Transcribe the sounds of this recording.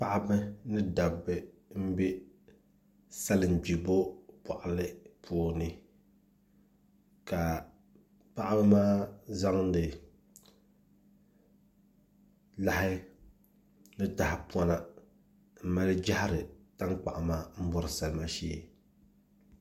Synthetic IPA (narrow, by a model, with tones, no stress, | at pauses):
pa˦ʔa˦bɨ˦nɨ˦da˨bɨ˨m̩˦be˦ | sa˦lɨ˨n˨d͡ʒi˨bo˦pa˨ʔa˨lɨ˦pʰuː˦nɨ˦ | ka˨ | pa˦ʔa˦bɨ˦maː˦za˦ŋ˦dɨ˨ | la˦hɪ˦ | nɨ˦ta˨hɪ˨pwa˦na˦˨ | m̩˨ma˦ld͡ʒa˦hɪ˦ɾɨ˨ta˦ŋk͡pa̰˨ʔa˨maː˦m̩˦bɔ˦ɾɨ˨sa˨lɨ˦ma˦ʃeː˦